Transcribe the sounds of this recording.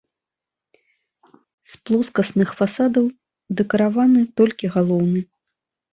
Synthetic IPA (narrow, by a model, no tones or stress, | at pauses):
splˠɔskɐsnɨxfasad̪ɐw | d̪ɛkɐɾavanɨt̪ɔlʲkʲiɣalˠɔwnɨ